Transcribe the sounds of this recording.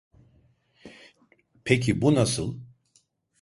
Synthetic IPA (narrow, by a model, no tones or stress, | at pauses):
pʰecʰibunasɯ̰lˠ